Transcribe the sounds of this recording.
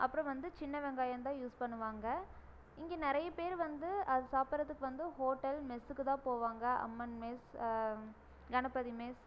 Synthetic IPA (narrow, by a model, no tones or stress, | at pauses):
ʔɐpːɯɾɔ̃ʋɐnd̪ɯt͡ʃɪnːɐʋɛŋɡaːjɐnt̪ãːjuːspɐɳːɯʋaːŋɡɐ | ɪŋɡeːnɪɾɐjɐpeːɾʋɐnd̪ɯɐðɯsaːpɐɾɐt̪ːɯkːɯʋɐnd̪ɯɦoːʈːɐlmɛsɯkːɯt̪ãːpoːʋaːŋɡɐʔɐ̰mːɐnmeːs | ɡɐnɐpːɐðimeːs